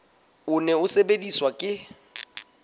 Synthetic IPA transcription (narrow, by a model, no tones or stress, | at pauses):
ʊnɛʊsebediswakʼɪ